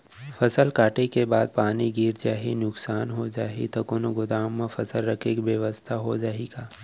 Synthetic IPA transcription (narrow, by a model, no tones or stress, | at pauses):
fʰɐsəlkaːʈekebaːd̪̚paːniɡiːɾd͡ʒaːɦinʊksaːnɦod͡ʒaːɦḭt̪okonoɡʊd̪aːmːẽfʰɐsəlɾɐkʰekbjəʋəst̪ʰaɦod͡ʒaːɦiɡaː